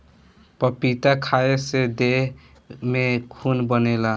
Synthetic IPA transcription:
pəpit̪akʰaesed̪eɦ | mekʰunbənela

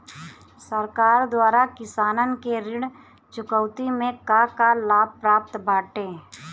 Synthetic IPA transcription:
səɾkaːɾd̪waːɾakɪsaːnənkeɾɪɽ | t͡ʃʊkəʊt̪imẽkakalaːb̚pɾaːp̚t̪baːʈẽː

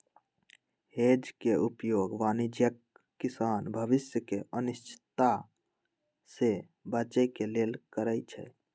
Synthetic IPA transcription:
hed͡ʒkeupjoɡʋanid͡ʒjəkː | isanbʱəʋisjəkeʔənist͡ʃʰi̥t̪a | se | bət͡ʃəkelelkəɾəjt͡ʃʰɛ̰

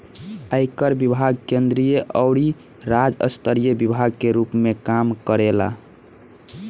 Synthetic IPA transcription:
əjkəɾbibʱaɡ̚kend̪ɾijeʔəʊɽi | ɾad͡ʒə̰st̪əɾijəbibʱaɡ̚keɾupmekamkəɾela̰

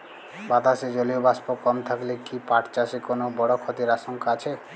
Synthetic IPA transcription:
bat̪ased͡ʒolijobaspokɔmt̪ʰaklekipaʈt͡ʃasekonobɔɽokʰɔt̪iɾasɔŋkaat͡ʃʰe

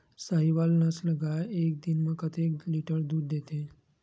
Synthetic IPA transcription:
saɦiʋalnəsləɡajek̚d̪inməkət̪ek̚liʈəɾd̪uːɾd̪et̪e

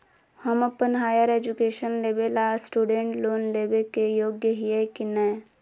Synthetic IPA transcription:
həməpənɦaːjəɾeːd͡ʒukeːʃənleːbelaːsʈuːɖẽːɳʈloːnleːbekejoːɡjəɦijekinɛː

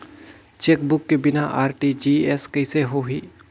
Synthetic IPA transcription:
t͡ʃeːk̚bʊkːebɪnaʔaːɾʈid͡ʒiːeskɐɪseɦoɦiː

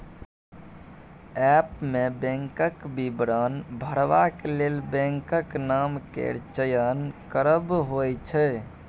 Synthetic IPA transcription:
ɛpmebɛ̃ŋkəkbibɾənbʱəɾʋakelelbɛ̃ŋkəknamkḛɾt͡ʃəjənkəɾəbɦojt͡ʃʰɛ

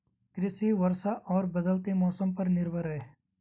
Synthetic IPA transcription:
kɾɪsiʋɐɾsaʔɔːɾbɐd̪əlt̪imɔːsəmpɐɾnɪɾbʱəɾɦɛː

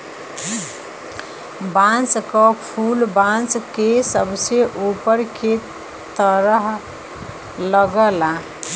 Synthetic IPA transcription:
bãnt͡ʃkəpʰulbãnt͡ʃkesəbseʔupəɾke | t̪əɾəɦ | ləɡəla

